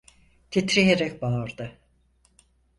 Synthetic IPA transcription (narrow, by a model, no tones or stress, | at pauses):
t̪ʰit̪ɾijeɾɛcbaːɾd̪ɯ